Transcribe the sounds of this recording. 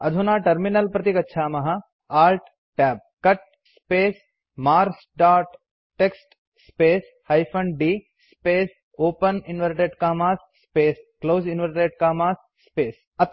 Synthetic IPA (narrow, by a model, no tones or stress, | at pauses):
ɐd̪ʱunaːʈɐɾminɐlpɾɐt̪ikɐtːʃʰaːmɐɦɐ | aːlʈ | ʈɛːb̚kɐʈ̚ | speːs | maːɾsɖaːʈː | eksʈ | speːs | hɐjpʰɐɳɖiː | speːs | oːpɐninʋɐɾʈeːɖkaːmaːsːpeːskloːzinʋɐɾʈeːʈkaːmaːsːpeːs | ɐt̪